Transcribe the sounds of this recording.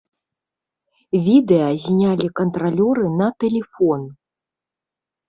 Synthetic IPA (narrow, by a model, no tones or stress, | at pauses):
vʲid̪ɛjɐzʲnʲalʲikɐnt̪ɾalʲɔɾɨnɐt̪ɛlʲɛfɔn